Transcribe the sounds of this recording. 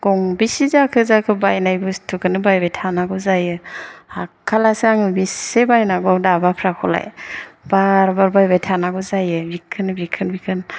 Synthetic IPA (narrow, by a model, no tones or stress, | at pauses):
ɡ̥ɔŋbisizakʰɯzakʰɯbajnajbɯstʰɯkʰɯnɯbajbajtʰanaɡɔzajɯakʰalaseaŋɯbisebajnaɡɔdabapʰɾakʰɔla̰jb̥aɾbaɾbajbajtʰanaɡɔzajɯbikʰɯnbikʰɯnbikʰɯn